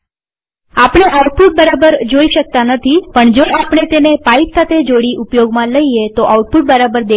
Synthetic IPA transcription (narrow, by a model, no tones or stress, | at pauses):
apɳ̃eʔauʈ̚puʈ̚bəɾabəɾd͡ʒoiʃək̚t̪anət̪ʰipəɳd͡ʒoapɽ̃et̪enepaiksat̪ʰed͡ʒoɽiʔupjoɡmãləiet̪oʔauʈ̚puʈ̚bəɾabəɾd̪e